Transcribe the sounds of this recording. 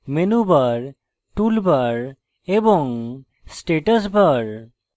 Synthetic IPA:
menubaɾ | ʈulbaɾ | ebɔŋ | sʈeʈəs̬bəɾ

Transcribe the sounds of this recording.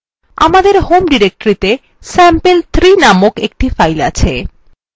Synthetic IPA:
a̰mad̪eɾhomɖiɾek̚ʈɾit̪e | sɛmpelt̪ʰɾinamokek̚ʈifajla̰t͡ɕʰe

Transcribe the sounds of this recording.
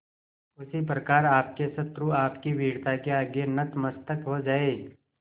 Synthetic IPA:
ʊsip̬ɾɐkaːɾaːpkesɐt̪ɾuaːpkiʋiːɽt̪akeaːɡenɐt̪mɐst̪əkɦod͡ʒaːe

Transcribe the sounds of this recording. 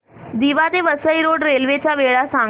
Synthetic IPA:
d̪iːʋad̪eːʋəsəiɾoːɖɾeːlʋet͡ʃaːʋeːɽasãː

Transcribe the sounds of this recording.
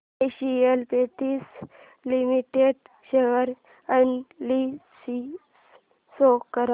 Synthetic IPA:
eɕielpeʈ̪iːs | limiʈeɖ | ɕəɡəɾ | ənlisi | sokkəɾa

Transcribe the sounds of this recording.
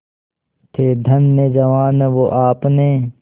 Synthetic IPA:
t̪ʰeːd̪ʱɐnːeːd͡ʒɐʋaːnʋoʔaːpneː

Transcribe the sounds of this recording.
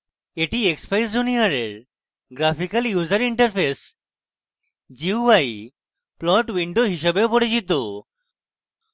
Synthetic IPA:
eʈiekspajsd͡ʑunijaɾeɾ | ɡɾapikaljuzaɾiɳʈɐɾpʰes | d͡ʑiuaj | plɔʈwiɳɖoɦiʃebeopoɽit͡ɕit̪o

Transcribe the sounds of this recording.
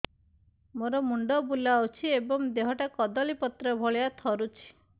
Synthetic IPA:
moɾɔmuɳɖɔbulawt͡ʃʰiebɔŋd̪eɦɔʈakɔd̪ɔlipɔt̪ɾɔbʱɔɭeat̪ʰɔɾut͡ʃʰi̥

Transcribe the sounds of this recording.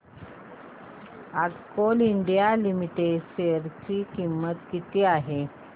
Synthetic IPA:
atkoliɳɖijalimiʈeɖɕeəɾt͡ɕiːkimːət̪kit̪iːaɦe

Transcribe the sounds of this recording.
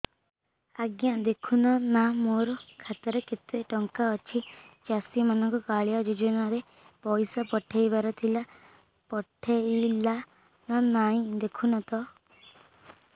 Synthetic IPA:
aɡjad̪ekʰunɔnamoɾɔkʰat̪ɔɾɔket̪weʈɔŋkaɔt͡ʃʰit͡ʃasimanɔŋkukaɭijad͡ʒud͡ʒɔnaɾe | pɔjsapɔʈʰejbaɾɔt̪ʰila | pɔʈʰeila | nanaĩd̪ekʰunat̪ɔ

